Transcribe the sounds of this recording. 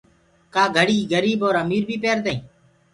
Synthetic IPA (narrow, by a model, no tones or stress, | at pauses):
kaːɡʱəɽiːɡəɾiːboːɾəmiːɾbʱiːpeːɾd̪eĩː